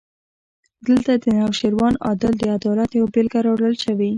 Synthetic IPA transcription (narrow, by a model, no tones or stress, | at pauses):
d̪əlt̪ad̪ənawʃeɾwɑnɑ̰d̪ɪld̪əad̪ɑlat̪jawbelɡaɾɑwɽəlʃəwi